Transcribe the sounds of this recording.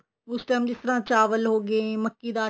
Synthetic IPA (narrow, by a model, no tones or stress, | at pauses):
ʊsʈɛːmd͡ʒɪst̪əɾãːt͡ʃaːʋəlɦoːɡẽməkːiːd̪aː